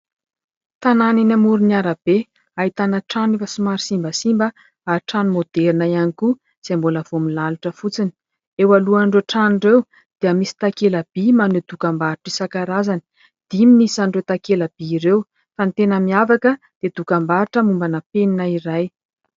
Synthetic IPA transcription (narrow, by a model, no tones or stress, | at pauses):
t̪ananinamuɾiniaɾab̥e | aɦit̪anəʈ͡ʂanifasimaɾisimbəsimbə | aɾʈ͡ʂanumod̪ɛɾinaianiku | z̥emboləv̥omilaluʈ͡ʂəfut͡sini̥ | ewaluanɳɖ͡ʐeʈ͡ʂanirew | d̪̥eamisi̥t̪akeləb̥imanud̪̥ukambaɾiʈ͡ʂisakaɾazani̥ | d̪̥iminisaɳɖ͡ʐewt̪akeləb̥iːɾew | fant̪enəmiavakə | d̪̥ed̪ukambaɾiʈ͡ʂəmumbanəpeninaiɾaj